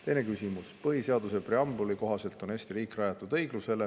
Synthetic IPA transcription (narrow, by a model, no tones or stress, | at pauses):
t̪e̞jne̞kysʲimuspɤɦise̞ɑd̪use̞preɑmbuliko̞ɦɑse̞lt̪ˑo̞neːsʲt̪iɾiːkrɑjɑt̪ːˑud̪̥ɤ̞jɡ̥luse̞le